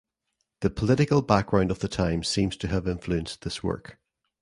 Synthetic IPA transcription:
ðəpʰəlˠɪʔɪkəlˠbak̚ɡ̥ɹãʊ̃ndəvðətʰãɪ̃msĩmz̥tʰəəvɪ̃ɱflˠʉə̃nsðɪswɜ̰˞k

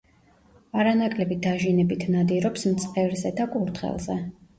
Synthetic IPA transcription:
aɾanakʼlɛbid̪aʒinɛbit̪ʰnad̪iɾɔpsmt̪sʼqʼɛvɾzɛd̪akʼuɾd̪ʁɛ̰lˠzɛ̰

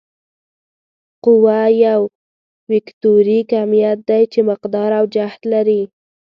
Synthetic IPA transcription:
qʊwajaw | wɪkt̪oɾikamijat̪̚d̪ajt͡ʃemɪqd̪ɑɾawd͡ʒaht̪laɾi

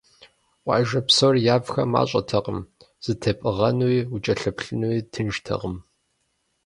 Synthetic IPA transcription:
wʷɑ̰ːʒɐpsorjaːvxɐma̰ːɕʼɐtʰɐqəm | z̥ɨtʰɐpʼɨʁɐnwiːut͡ʃʼɐɬɐpɬɨnwiːtʰɨnʒtʰɐ̰qəm

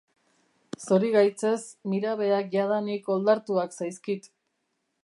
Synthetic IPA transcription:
so̞ɾiɣajt͡se̞smiɾaβ̞e̞akʝað̞aniko̞ld̪aɾt̪uaksajskit̪

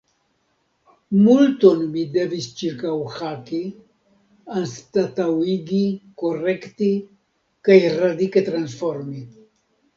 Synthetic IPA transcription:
mult̪onmid̪ɛvist͡ʃiɾkawxaki | anst̪at̪awiɡikorɛkt̪i | kajrad̪iket̪ɾansfoɾmi

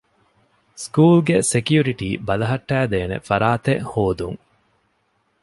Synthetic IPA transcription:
skuːlɡesekijuɾiʈiːbɐlɐɦɐʈːæːd̪eːnḛfɐɾaːt̪ehoːd̪uŋ

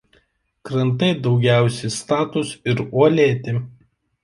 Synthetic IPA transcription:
kɾɐnt̪ɐɪd̪ɒʊɡʲæˑʊsʲɛɪst̪ɑːt̪ʊsɪɾuɔlʲeːt̪ʲɪ

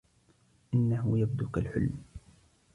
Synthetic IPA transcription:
ʔɪnːaɦʊjab̚d̪ʊkalħʊ̰lm

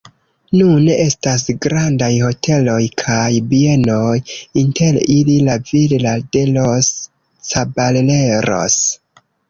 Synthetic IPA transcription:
nune̞ʔe̞stas̬ɡɾandajho̞tʰe̞lo̞jkʰajbie̞no̞jinte̞lililavillade̞lo̞s | t͡saballe̞ɾo̞̰s

